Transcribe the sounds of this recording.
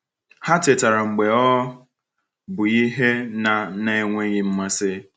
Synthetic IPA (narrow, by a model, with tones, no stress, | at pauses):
ha˦te˨ta˨ɾa˨ŋ͡m̩˨ɡ͡be˨ɔ˦ | bʊ˨i˦ɦe˦na˨ne˦e˦ŋʷe˦ɣɪ˦m̩˦ma˦sɪ˦